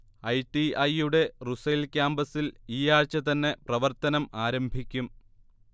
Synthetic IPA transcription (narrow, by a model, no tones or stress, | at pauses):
ɐjʈiɐjuɽe̞ruselkʲaːmbɐsiliːjaːrt͡ɕːɐt̪ɐnːe̞prɐʋɐrt̪ɐnɐmaːɾɐmbʱikʲːum